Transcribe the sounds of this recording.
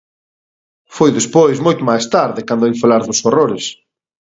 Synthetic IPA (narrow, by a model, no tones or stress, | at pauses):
fojðespojzmojt̪ʊmajst̪aɾðɪkand̪oejfalaɾðʊsoroɾɪs